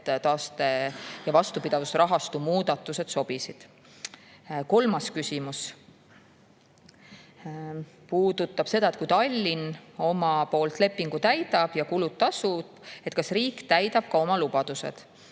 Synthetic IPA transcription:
t̪ɑːst̪ejɑvɑst̪upid̪̥ɑvusɾɑɦɑst̪umuːd̪̥ɑt̪ːˑuse̞d̪̥so̞b̥isid̪̥ | ko̞lmɑskysʲimus | puːd̪ut̪ːˑɑb̥se̞d̪̥ɑe̞t̪̚kujt̪ɑlʲːino̞mɑpo̞ːlt̪le̞pːiŋɡ̥ut̪æjd̪̥ɑb̥jɑkulut̪t̪ːɑsub̥e̞t̪kɑsriːkt̪æjd̪̥ɑb̥̚kɑo̞mɑlubɑd̪̥use̞̰d̪̥

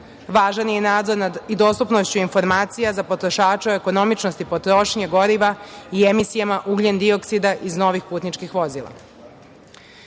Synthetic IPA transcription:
ʋaːʒanjenaːd̪zo̞ɾnaid̪o̞ːst̪upnost͡ɕuinfo̞ɾmaːt̪sijazapo̞t̪ɾo̞ʃaːt͡ʃeoeko̞no̞mit͡ʃnost̪ipo̞t̪ɾo̞ʃɲeɡo̞ɾiʋaiemisijamaʔuɡʎend̪io̞ksid̪aʔizno̞ʋixpuːt̪nit͡ʃkixʋo̞zilˠa̰

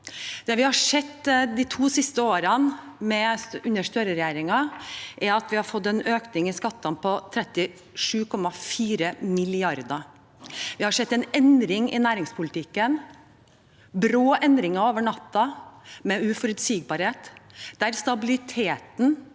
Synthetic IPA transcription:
d̪̥ɛːʋɪhɑʂɛt̪ːd̪it̪ʰuːsɪst̪əoːɾɑnmɛʉnəʂt̪øːɾəɾɛjeːɾɪŋɑʔɛɾɑt̪ʋɪhɑɾfɔt̪ːɛnøːknɪŋɪskɑt̪ːɑnpʰɔt̪ʰɾɛt̪ːɪ | ʂʉːkʰɔmɑfiːɾəmɪlɪɑɾd̪ɑ | ʋɪhɑʂɛt̪ːɛɪnɛnd̪ɾɪŋɪ̰næːɾɪŋspʰʊlɪt̪ɪkːən | bɾoːʔɛnd̪ɾɪŋɑoːʋəɳɑt̪ːɑmɛʉfɔɾʉt̪siːɡ̚bɑːɾheːt̪d̪̥æɾst̪ɑbɪlɪt̪ʰeːt̪n̩

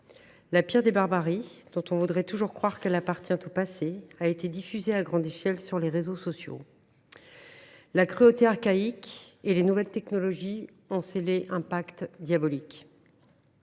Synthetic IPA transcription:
lapiʁd̪ebaʁbaʁid̪̥ɔ̃t̪ɔ̃vud̪ʁɛt̪uʒuʁkχwaʁkɛlapaʁt̪jɛ̃t̪opaseaet̪ed̪ifyzeaɡʁɑ̃d̪eʃɛlsyʁleʁezosɔsjo̰ | lakχyot̪eaʁkaikelenuvɛlt̪ɛknɔlɔʒi | ɔ̃seleʔɛ̃pakt̪d̪jabɔlik

